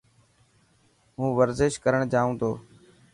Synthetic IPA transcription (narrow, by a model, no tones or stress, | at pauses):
ɦũːʋəɾzɪʃkəɾəɳ̃d͡ʒaːũːt̪oː